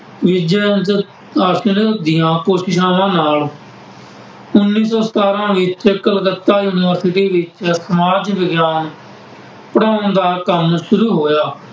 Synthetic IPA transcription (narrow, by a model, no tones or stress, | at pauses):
ʋɪd͡ʒə | aːsənd̪ɪjãːkoːʃɪʃãːʋãːnaːl | ʊnːiːsɔːsə̥t̪aːɾãːʋɪt͡ʃkəlɡət̪ːaːjuːnɪʋəɾsɪt̪iːʋɪt͡ʃsəmaːd͡ʒʋɪɡjaːn | pəɽaːʊ̃nd̪aːkəmʃʊɾuːɦoːjaː